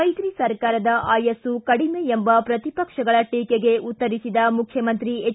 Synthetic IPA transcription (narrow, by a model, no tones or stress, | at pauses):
ɐjɡ̪ɾisɐɾkaːɾɐd̪ɐʔaːjɐsukɐɽimeembɐpɾɐt̪ipɐkʂɐɡɐɭɐʈiːkeɡe̞ʔut̪ːɐɾisid̪ɐmukʰjɐmɐnt̪ɾie